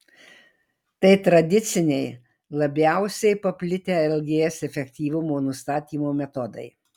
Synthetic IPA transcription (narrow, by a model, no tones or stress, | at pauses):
t̪ɐɪt̪ɾɐd̪ʲɪt̪sʲɪnʲɛɪ | lˠɐbʲæˑʊsʲɛɪpɐpʲlʲɪt̪ʲeːɛlʲɡʲeːsɛfʲɛkʲt̪ʲiːʋʊmoːnʊst̪ɑːt̪ʲiːmoːmʲɛt̪ɔd̪ɐ̰ɪ